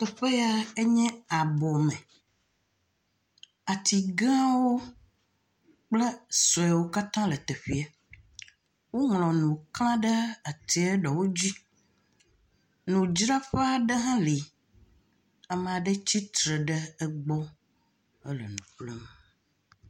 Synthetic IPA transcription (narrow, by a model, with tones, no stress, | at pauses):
t̪ə˨ɸe˦ja˦e˦ɲɛ̃˦a˨bɔ˨mɛ̃˨ | a˨t̪ʰi˨ɡã˦wo˦ | k͡plə˦sɔ˨ɛ˨wo˦ka˦t̪ã˦lə˨t̪e˨ɸi˨a˨ | wo˦ŋlɔ̃˨nũ˨klã˦ɖə˦a˨t̪i˨e˦ɖɔ˨wo˦d͡ʑi˦ | nũ˨d͡ʒɾã˦ɸe˦a˨ɖə˦ɦã˦li˨ | ɛ˦me˨a˨ɖə˦t͡ɕi˦t̪ɾə˨ɖə˦ɛ˦ɡ͡bɔ˦ | ə˦lə̰˨nũ˨k͡plo˦m˨